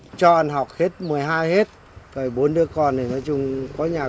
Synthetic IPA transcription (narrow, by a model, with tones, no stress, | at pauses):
t͡ɕɔ˧ʔə˧nɦɔ˨˩wk͡p̚he˦˥t̚mɨ˨˩əjɦaː˧jhe˦˥t̚ | kəː˨˩jɓo˨˦nɗɨ˧əkɔ˨˧˩ntʰi˨˩nɔ˨˦t͡ɕʊ˧ŋ͡mkɔ˨˦ɲaː˨˩